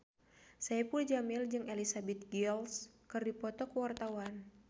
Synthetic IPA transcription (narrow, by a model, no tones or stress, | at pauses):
sajapuld͡ʒamɪld͡ʒɨŋelisabɛt̪̚ɡils | kɨrdipɔt̪ɔkəwart̪awan